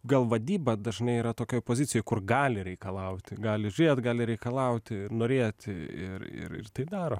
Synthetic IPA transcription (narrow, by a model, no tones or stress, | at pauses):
ɡɐlˠʋɐd̪ʲiːbɐd̪ɐʒnɐɪiːɾɐt̪oːkʲoːjpoːzʲɪtt͡s̪ʲɪjoːjkʊrɡɑːlʲɪɾʲɛɪkɐlˠɐʊt̪ʲɪɡɑːlʲɪʒʲʊɾʲeːt̪ɡɑːlʲɪɾʲɛɪkɐlˠɐʊt̪ʲɪnoːɾʲeːt̪ʲɪ̰ɾɪ̰ɾɪ̰rt̪ɐɪd̪ɑːɾoː